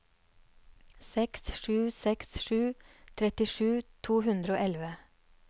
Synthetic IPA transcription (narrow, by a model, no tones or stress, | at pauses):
sɛksʃʉːsɛksʃʉːt̪ʰɾɛt̪ɪʃʉːt̪ʰuːhʉnd̪ɾəoːʔɛlʋə